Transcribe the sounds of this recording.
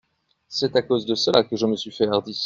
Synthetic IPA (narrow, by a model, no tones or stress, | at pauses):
sɛt̪akozd̪əsəlʔa̰kəʒəməsɥifɛaʁd̪i